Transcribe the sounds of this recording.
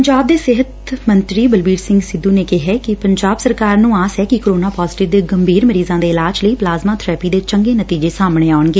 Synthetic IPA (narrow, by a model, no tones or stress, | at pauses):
pəɲd͡ʒaːb̚d̪eːsɪɦət̪ | mənt̪ɾiːbəlbiːɾsɪ̃ŋɡsɪd̪ːuːneːkɪɦɛːkɪpəɲd͡ʒaːbsəɾkaːɾnũːaːsɛːkɪkɾoːnaːpaːzɪʈɪɾd̪eːɡəmbʱiːɾməɾiːzãːd̪eːɪlaːd͡ʒləiːplaːzmaːt̪ʰɾɛːpiːd̪eːt͡ʃəŋɡeːnət̪iːd͡ʒeːsaːmɳ̃eːaːɳɡeː